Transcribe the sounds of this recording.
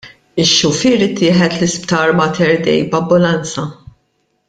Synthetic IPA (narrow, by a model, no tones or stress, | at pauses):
ɪʃːʊfiɾɪt̪ːɪːħɛt̪lɪspt̪ɐːɾmɐt̪ɛɾd̪ɛ̰jbɐbːʊlɐnt͡sɐ